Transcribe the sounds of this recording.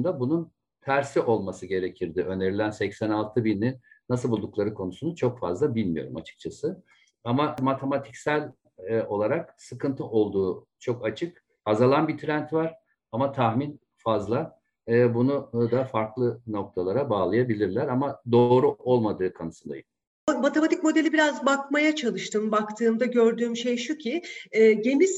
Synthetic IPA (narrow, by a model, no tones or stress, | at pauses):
nd̪abunun | t̪ʰæɾsiʔo̞lˠmasɯɟe̞ɾecʰiɾd̪ɪø̞nd̪e̞ɾilʲænsɛcsænalˠt̪ʰɯbinːinnːas̬ɯlˠbulˠd̪uklˠaɾɯkʰo̞nusunut͡ʃʰo̞kfa̰zlˠabilʲmḭjo̞ɾuma̰t͡ʃʰɯ̥k̚t͡ʃʰasɯ | amamat̪ʰe̞mat̪ʰi̥csælʲ | o̞lˠaɾaksɯkʰɯnt̪ʰɯʔo̞lˠd̪uː | t͡ʃʰo̞kat͡ʃʰɯk | azalˠanbit̪ʰɾænt̪vaɾ̥ | amat̪ʰahmin | fazlˠaː | bunud̪afaɾklˠɯno̞k̚t̪ʰalˠaɾabaːlˠajabilʲiɾlʲæɾamad̪o̞ːɾuʔo̞lˠmad̪ɯːkʰanɯsɯnd̪a̰jɯn | mat̪ʰemat̪ʰic̚mo̞d̪e̞lʲibiɾazbakmajat͡ʃʰalˠɯʃt̪ʰɯmbakt̪ʰɯːmd̪aɟø̞ɾd̪yːmʃejʃucʰiɛːɟe̞miz